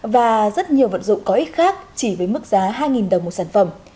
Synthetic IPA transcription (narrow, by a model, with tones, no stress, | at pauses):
vaː˨˩zə˦˥t̚ɲi˨˩əwvə̰˧˨nzʊ̰˧˨ŋ͡mkɔ˨˦ʔi˦˥t̚xaː˦˥k̚t͡ɕi˧˩vəː˨˦jmɨ˦˥k̚zaː˨˦ɦaː˧jŋi˨˩nɗə˨˩wŋ͡mmo˨˩t̚saː˧˩nfə˧˩m